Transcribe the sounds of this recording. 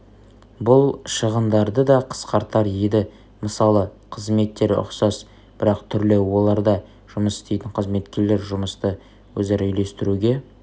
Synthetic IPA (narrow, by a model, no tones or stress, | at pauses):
bʊlˠʃəʁənd̪ɑɾd̪əd̪ɑqʰə̥sqɑɾt̪ɑɾjed̪ɪ | məsɑlˠəqʰəzme̞t̪ːe̞ɾʊ̰qsɑs | b̥ɪɾɑqt̪ʰʏɾlɪwo̞lˠɑɾd̪ɑ | ʒ̥ʊməsɪ̥st̪ejt̪ɪɴqʰəzme̞t̪kʲe̞ɾle̞ɾʒʊməst̪ə | wɵzeɾʏjle̞st̪ɪɾuɡʲe̞